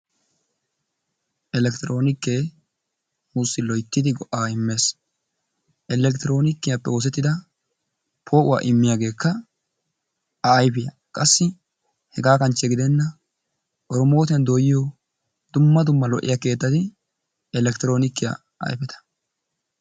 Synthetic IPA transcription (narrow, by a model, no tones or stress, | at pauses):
ʔɛlɛkt̪ɪɾʔo̞ːnɪkːeː | mʊsɪlɔjt̪ːɪd̪ɪɡɔʔːaːɪmːe̞ːs | ʔɛlɛkt̪ɪɾo̞ːnɪkːɪjapːɛo̞ːs̬ɛt̪ːɪd̪ɐ | pʰo̞ːʔʊwa̰ːʔɪmːɪjaːɡe̞ːkʰːɐ | ɐːjfɪjɐ | kʼɐsːɪ | hɛɡaːkɐnt͡ʃːɛɡɪd̪ɛnːɐ | ʔɔɾɔmo̞ːt̪ɪjɐnd̪oːjɪjɔ | d̪ʊmːɐd̪ʊmːɐlɔʔɪ̰jake̞ːt̪ːɐt̪ɪ | ɛlɛkt̪ɪɾo̞ːnɪkːɪja̰ | ɐ̰jfɛt̪ʰɐ̥